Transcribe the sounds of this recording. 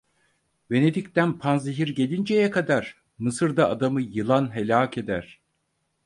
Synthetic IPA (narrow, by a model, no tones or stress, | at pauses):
be̞ne̞d̪ict̪ænpʰanziɦiɾɟe̞lʲind͡ʒejɛkʰad̪aɾ | mɯsɯɾd̪aːd̪amɯjɯlˠanɦelʲaːkʰe̞d̪æɾ̥